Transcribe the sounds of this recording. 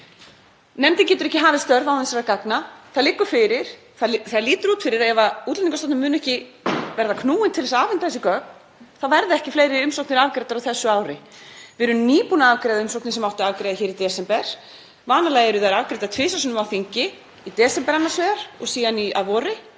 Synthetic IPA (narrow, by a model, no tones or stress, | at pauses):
nɛmt̪ɪncɛːt̪ʏɾɛhcɪɦaːvɪst̪œɾðawɪnsɛɾakaknaθaðlɪkːʏɾ̥fɪɾɪɾ̥ | θaðθaðliːt̪ʏɾuːt̪fɪɾɪɾaðjɛvauːt̪lɛniŋkasat̪ʏmːʏːnʏɛhcɪ | vɛɾðakʰnuːɪnt̪ʰɪlɛsaːvɪnt̪aθɛsɪkœk̚n | θaðvɛɾðɪɛhcɪfleːjɾɪʏmsowkʰnɪɾavkɾɛjt̪aɾawθɛsːʏaːwɾɪvɪɾʏniːpunaavkɾɛjðɪʏmsowknɪsɛmawht̪ɪavkɾejðɪçɛːɾit̪ɛːsɛmpɛɾ̥ | vaːnalaːjɛɾʏθajɾavkɾejt̪at̪ʰvɪːsasʏːnʏmawθiɲcɪ | it̪ɛːsɛmpɛɾanːasvɛːɣaɾ̥ɔ̰ɣsiːðania̰ðvɔːɾɪ